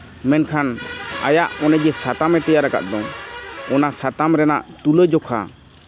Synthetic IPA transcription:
mɛnkʰana̰jaʔɔnɛd͡ʒɛsat̪amɛt̪ɛjaɾaka̰ʔ̪̚d̪ɔɔnasat̪amɾɛnaʔt̪uləjd͡ʒɔkʰa̰

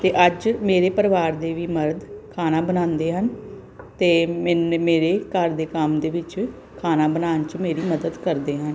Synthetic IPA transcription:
t̪eːʔəd͡ʒmeːɾeːpəɾʋaːɾd̪eːʋiːməɾd̪kʰaːnaːbənãːnd̪eːɦən | t̪eːmɪnmeːɾeːkəɾd̪eːkəmd̪eːʋɪt͡ʃ | kʰaːnaːbənaːnt͡ʃmeːɾiːməd̪əd̪kəɾd̪eːɦən

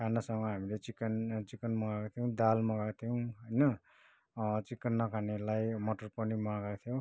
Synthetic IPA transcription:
kʰanʌsʌŋɡʌɦamilet͡sikent͡sikʌnmʌɡakt̪ʰijõw̃d̪almʌɡakt̪ʰijow̃ɦʌjnʌ | t͡sikːʌnːʌkʰanelajmoʈʌrpʌnimaɡakt̪ʰjõ

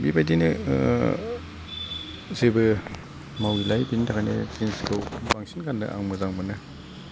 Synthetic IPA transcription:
bibajdinɯ | zebɯ | mawilajbintʰakʰajnḛkinskɯwbaŋsinkʰanːɯ̰ʔa̰ŋmɯzaŋmɯnɯ

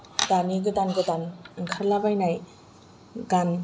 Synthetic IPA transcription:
daniɡɯdanɡɯdanŋkʰaɾlabajnaj | ɡan

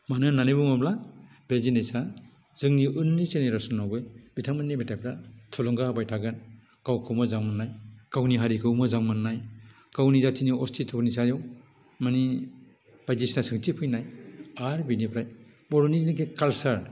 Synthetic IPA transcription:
manɯnanibɯmɔbla | bezinejsa | z̥ɯŋniʔɯnːit͡ʃeniɾasɔnːawbɯjbitʰaŋmanːimetʰajp̚ʰɾatʰulɔŋɡabajtʰaɡɯn | kawkʰɯwmɔzaŋmanːajkawniɦaɾikʰɯwmɯzaŋmanːaj | kawnizatʰiniɔstʰitʰɔbnisajɔw | mani | b̥ajdisnasɯŋt͡ʃipʰɯjnajaɾbinipʰɾaj | bɔɾoniznikʰekalsaɾ

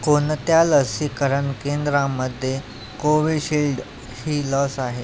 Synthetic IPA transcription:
kont̪jaləsikəɾəɳkend̪ɾãməd̪ʱːje | koʋiɕilɖ | hiːlɔsaɦe

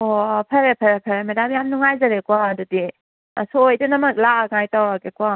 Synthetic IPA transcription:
opʰɐɾepʰɐɾepʰɐɾemedamjamnuŋajzɐɾekwadudi | ɐ̰soojdɐnɐmɐk̚laaŋajtawɾakekwa

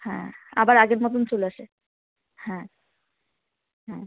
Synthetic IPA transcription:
hɛ̰̃abaɾaɡeɾmɔt̪ont͡ɕoleaʃe | hɛ̃ | ɦɛ̃

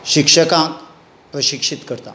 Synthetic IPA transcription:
ɕikʂəkãk | pɾəɕikʂit̪kəɾt̪a̰

